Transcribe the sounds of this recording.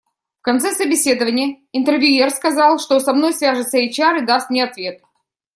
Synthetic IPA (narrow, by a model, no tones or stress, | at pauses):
fkɐnt̪sɛsəbʲɪsʲe̞d̪əvənʲɪjə | ɪnt̪ərvʲjʊerskɐzɑlˠʂt̪osɐmno̞jsvʲæʐɨt̪səet͡ɕɪaɾɨd̪ast̪̚nʲɪɐt̪vʲe̞t̪̚